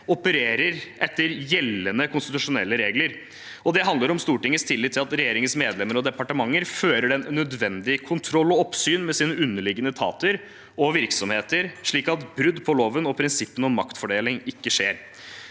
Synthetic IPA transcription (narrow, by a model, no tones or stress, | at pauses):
ɔpəɾeːɾəɾʔɛt̪ːəɾjɛlːənəkʊnst̪ɪt̪ʉʂʊnɛlːəɾeːɡləɾ | ɔd̪ɛɦɑnd̪ləɾɔmst̪uːʈɪŋːəst̪ʰɪlːɪt̪ʰːɪlɑt̪ɾɛjeːɾɪŋənsmeːd̪lɛmːəɾɔd̪ɛpɑʈəmɑŋːəɾføːɾəɖɛnnːœd̪ʋɛnd̪ɪkʰʊnt̪ʰɾɔlːɔɔpsyːnmɛsiːnəʉnːəɭɪɡːənət̪ʰɑ̰ːt̪əɾ | ʔɔʋɪɾksɔmheːt̪əɾʂɭiːkɑt̪bɾʉd̪pʰɔloːʋənɔpʰɾɪnsɪpːənɔmːɑkt̪fɔɖeːlɪŋɪkːəʂeːɾ